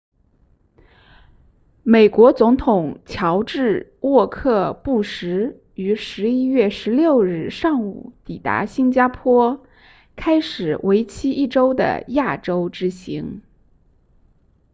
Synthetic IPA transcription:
me˨˩ɪkwɔ˧˥t͡sʊ˧˥ŋt̪ʰʊ˨˩ŋt͡ɕʰjɑ˧˥ʊʈ͡ʂɻ̩˥˧ | wɔ˥˧kʰɤ˥˧pu˥˩ʂɻ̩˧˥ | y˧˥ʂɻ̩˧˥i˥jɥɛ˥˩ʂɻ̩˧˥ljo˥˧ʊɻɻ̩˥˩ʂɑ˥˩ŋṵ˨˩t̪i˨˩t̪a̰˧˥ɕi˥nt͡ɕja˥pʰwɔ˥ | kʰa˥ɪʂɻ̩˨˩we˧˥ɪt͡ɕʰi˥ʔi˥˩ʈ͡ʂo˥ʊd̪ə̰˨˩ja˥˩ʈ͡ʂo˥ʊʈ͡ʂɻ̩˥ɕi˧˥ŋ

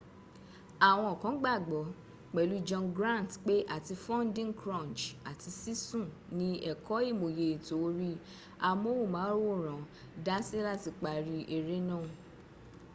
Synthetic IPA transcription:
a˨w̃ɔ̃˧ɔ˨kã˨˦ɡ͡ba˦˨ɡ͡bɔ˨˦ | k͡pɛ˨lu˨˦d͡ʒɔ̃˧nɡɾã˦˨n˨tk͡pe˦ʔa˦˨ti˧fɔ̃˦n˦dĩ˦ŋkɾã˦˨nt͡ʃa˨ti˧si˦sũ˦˨ | nĩ˨˦ɛ˦˨kɔ˦i˦˨mo˨je˨i˨to˨˦ɾi˦ | a˧mo˦wo˦˨mãː˨˦ɾo˦˨ɾ̃ã˨ | da˦si˦la˦ti˨˧k͡pa˨ɾi˧ʔe˧ɾe˦nã˦˨

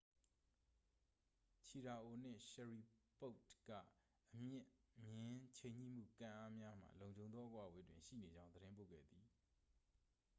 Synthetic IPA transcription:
t͡ɕʰi˨ɾa˨ʔo˨n̥ɪ̰̃˦˨ʃɛ˨ɹi˨po˦ʊtkä̰˦˨ | ʔəmjɪ̃˦˨ʔmjɪ̃˦t͡ɕʰẽ˨ɲḭ˦˨m̥ṵ˦˨kã̰˦˨ʔa˦mja˦m̥a̰˨lõ˨ʊ̃ɲd͡ʑõ˨ʊ̃nðɔ˦ʔəkwä̰˦˨we˦dwɪ̃˨ʃḭ˦˨ne˨d͡ʑã˦ʊ̃nəɾɪ̃˦mpo̰˦˨ɡɛ̰˦˨d̪i˨

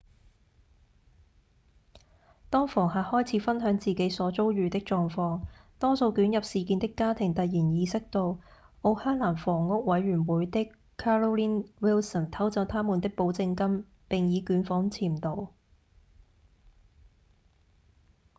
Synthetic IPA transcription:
t̪ɔː˥ŋfɔː˨˩ŋɦaː˨hɔː˥jt͡sʰiː˨˧˥fɐ˥nɦœː˨˥ŋt͡siː˨ke˨˥jsɔː˨˥t͡so˥wɥyː˨˧t̪ɪ˥k̚t͡ʃɔː˨˧ŋfɔː˧ŋt̪ɔː˥so˧wkyː˨˥njɐ˨p̚siː˨kiː˧nt̪ɪ˥kːaː˥t̪ʰɪ˨˩ŋt̪ɐ˨t̚jiː˨˩njiː˨˧sɪ˥k̚t̪o˧w | ʔo˨˧hœː˥ŋlaː˨˩nfɔː˨˩ŋːʊ˥k̚wɐ˨˥jɥyː˨˩nwuː˨˥jt̪ɪ˥kʰː | aː˥lo˥wliː˥nwiː˥lsə˨˩nt̪ʰɐ˨˥wt͡sɐ˨˧˥wt̪ʰaː˥muː˨nt̪ɪ˥k̚po˨˥wt͡sɪ˧ŋkɐ˥m | pɪ˨ŋjiː˨˧kyː˨˥nfɔː˨˥ŋt͡sʰiː˨˩mt̪o˨˧w

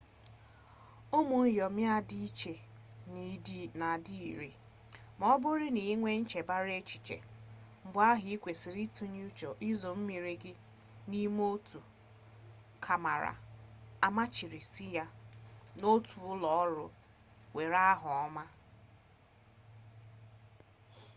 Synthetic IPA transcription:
ʊ˦mʊ˨n̩˦jɔ˨mja˦di˦i˦t͡ʃe˨ | ni˨di˦na˨di˦i˨ɾi˨ | mɔ˦bʊ˦ɾi˦ni˨˦ŋʷe˦n̩˦t͡ʃe˨ba˦ɾe˦t͡ʃi̥˨t͡ʃḛ˨ | m̩˨bʊ˦a˦ɦi˨˦i˦kʷe˨si˨ɾi˦tu˦ɲ˦u˦t͡ʃo˨ʔi˦zo˨m̩˦mi˨ɾi˦ɡɪ˦ | ni˦m˦o˦tu˨ | kʰa˨ma˨ɾa̰˨a˨ma˦t͡ʃi˨ɾi˨si˦ja˦no˦tu˨ʊ˦lɔ˨ɔ˦ɾʊ˦ | we˨ɾa˦ɦʊ˨ɔ˦ma˦

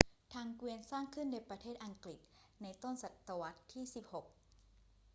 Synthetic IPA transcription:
t̪ʰaː˧ŋkwi˧nsaː˥˩ŋkʰɯ˥˩ndoː˧˥˩pɾa˧t̪ʰeː˥˩t̪̚ʔa˧ŋkli˨˩t̪̚ | na˧jt̪o˥˩nsa˨˩t̪ːa˧wa˦˥t̪ʰːiː˥˩si˨˩p̚ho˨˩k̚

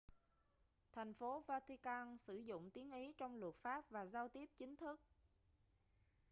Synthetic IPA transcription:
t̪ʰɛ˨˩jŋ̟fo˨˦vaː˧t̪i˧kaː˧nsɨ˧˩zʊ̰˧˨ŋ͡mt̪i˨˦ənʔi˨˦t͡ɕɔ˧wŋ͡mlwə˨˩t̚faː˦˥p̚vaː˨˩zaː˧wt̪i˦˥əp̚t͡ɕï˨˦ŋ̟t̪ʰɨ˦˥k̚

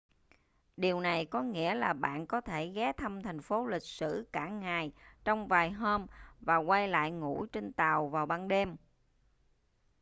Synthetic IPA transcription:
ɗi˨˩əwna˨˩jkɔ˨˦ŋḭ˧˥əlaː˨˩ɓa̰ː˧˨nkɔ˨˦t̪ʰe˧˩ɣɛ˨˦t̪ʰə˧mt̪ʰɛ˨˩jŋ̟fo˨˦lï˨˩k̟̚sɨ̰˧˩kaː˧˩ŋaː˨˩jt͡ɕɔ˧wŋ͡mvaː˨˩jɦoː˧mvaː˨˩kwa˧jla̰ː˧˨jŋṵ˧˥t͡ɕe˧nt̪aː˨˩wvaː˨˩wɓaː˧nɗe˧m

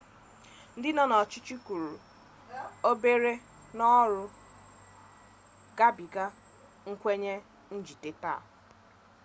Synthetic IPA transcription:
n̩˦dɪ˦nɔ˦nɔ˨t͡ʃi˦t͡ʃi˦ku˨ɾu˨ | o˦be˦ɾe˦ | nɔ˦ɾʊ˨ | ɡa˦bi˨ɡa˦ | ŋ̩˦kʷe˦ɲe˦ | n̩˦d͡ʒi˨te˦ta̰˦˨

